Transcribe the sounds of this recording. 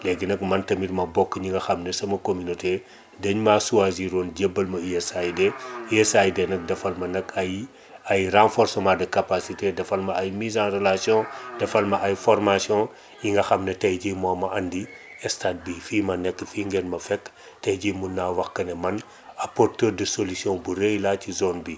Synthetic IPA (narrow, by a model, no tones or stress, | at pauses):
lɛɡinɐkmɐntɐmitmɐbɔkːɲiŋɡɐxɐmnɐsɐmɐkomynote | dɐɲmasuwaziɾonɟebːɐlmɐiɛsajdɛiɛsajdɛnɐk̚dɐfɐlmɐnɐkɐj | ɐjrãfɔɾsɔmadɐkapasitedɐfɐlmɐɐjmizãrelasjɔ̃dɐfɐlmɐʔɐjfɔrmasjɔ̃ | jiŋɡɐxɐmnɐtɐjɟimɔːmɐʔɐndi | ɛstaːt̚bifimɐnɛkːfiːŋɡɛnmɐfɛkː | tɐjɟimunːaːwɐxkɐnɛmɐn | apɔrtərdəsolisjɔ̃buɾejlatizɔnbi